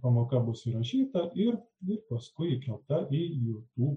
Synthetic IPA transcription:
pɐmoːkɐbʊsɪɾɐʃʲiːt̪ɐʔɪɾ | ɪɾpɐskʊɪɪkɾʲɛlˠp̚t̪ɐʔɪjuːt̪uː

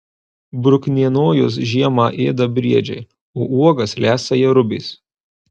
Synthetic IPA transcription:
bɾʊkʲnʲiɛnoːjʊs̬ʒʲiɛmɑːʔeːd̪ɐbʲɾʲiɛd͡ʒʲɛ̰ɪ | oːʔuɔɡɐslʲæːsɐjɛɾʊbʲɪːs

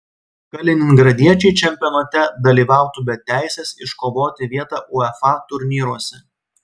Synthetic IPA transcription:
kɐlʲɪnʲɪŋɡɾɐd̪ʲiɛt͡ʃʲɛɪt͡ʃʲɛmʲpʲɪɔːnɐt̪ʲɛd̪ɐlʲiːʋɑˑʊt̪uːbʲɛtt̪ʲːæˑɪsʲɛsɪʃkoːʋoːt̪ʲɪʋʲiɛt̪ɑːˑʔʊɛfɑt̪ʊɾʲnʲiːɾuɔsʲɛ

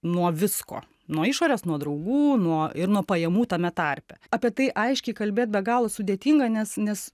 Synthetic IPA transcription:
nuɔʋʲɪsko̰ː | nuɔɪʃoːɾʲeːsnuɔd̪ɾɐʊɡuːnuɔɪɾnuɔpɐjɛmuːt̪ɐmʲɛt̪ɐrʲpʲɛɑːpʲiɛt̪ɐɪʔɐɪʃʲkʲɛɪkɐlʲbʲeːt̪̚bʲɛɡɑːlˠoːsʊd̪ʲeɛt̪ʲiːŋɡɐnʲɛsnʲɛs

